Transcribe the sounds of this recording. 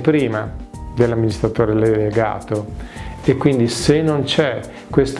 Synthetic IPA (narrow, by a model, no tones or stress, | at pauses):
pɾiːmad̪elːamːinist̪ɾat̪oːɾeleleɡa̰ːt̪oekːwind̪isenːont͡ʃɛ | kːwest̪